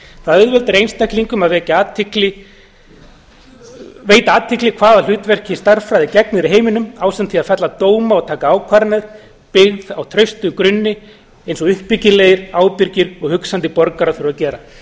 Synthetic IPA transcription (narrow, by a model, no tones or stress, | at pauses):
θaðœðvɛlt̪ɪɾejnst̪ʰajhkliŋkʏmaðvɛːcaaːt̪ʰɪklɪ | veːjt̪aaːt̪ʰɪklɪkʰv̥aːðal̥ʏːt̪vɛr̥cɪst̪ar̥fɾajðɪcɛknɪɾɪɦeːjmɪnʏmaːwsɛnt̪θʰiaðfɛt̪lat̪oːwmaɔɣt̪ʰaːkaaːwkʰvaɾnaɾ̥ | pɪɣðawt̪ʰɾœɥst̪ʏkɾʏnːɪ | ejnsɔʏhpːɪcɪlɛjɪɾaːwpɪɾcɪɾɔɣhʏksant̪ɪpɔɾkaɾafɪɾʏɾacɛːɾa